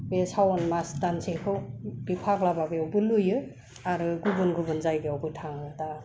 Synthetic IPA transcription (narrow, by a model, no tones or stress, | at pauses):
besawɔnmasdansʰekʰɯwb̥ipʰaklababeɔwbɯlujɯ | aɾɯɡubɯnɡubɯnzajɡeɔwbɯtʰaŋɯta